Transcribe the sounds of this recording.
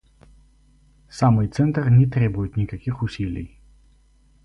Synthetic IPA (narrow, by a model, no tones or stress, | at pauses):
samɔjt̪sɛnt̪aɾnɛt̪ɾɛbujɛt̪nʲikakixusʲilʲḭj